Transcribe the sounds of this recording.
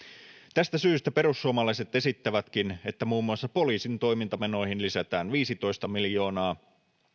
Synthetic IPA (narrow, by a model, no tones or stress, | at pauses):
t̪æst̪æsyːst̪æpe̞ɾusːuomɑlɑjse̞t̪e̞sit̪ːæʋæt̪k̟ine̞t̪ːæmuːmːuɑsːɑpo̞liːsint̪o̞jmint̪ɑmeno̞jɦinlisæt̪æːnʋiːsit̪o̞jst̪ɑmiljo̞ːnɑː